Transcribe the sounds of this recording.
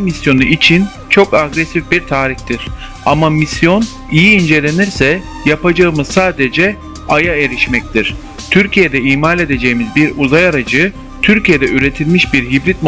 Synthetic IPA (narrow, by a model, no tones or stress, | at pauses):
misjo̞nuʔit͡ʃʰin | t͡ʃʰo̞kaɡɾesifbiɾt̪ʰaːɾiht̪ʰiɾ̥ | amamisjo̞n | ijiːnd͡ʒe̞lʲe̞niɾsɛ | japad͡ʒaɯmɯzsaːd̪ed͡ʒɛ | ajae̞ɾiʃmɛc̚t̪ʰiɾ̥ | t̪ʰyɾcʰije̞d̪ɛimalʲe̞d̪e̞d͡ʒe̞jimizbiɾuzajaɾad͡ʒɯ | t̪ʰyɾcije̞d̪ɛyɾe̞t̪ʰilʲmiʃbiɾɦibɾit̪̚m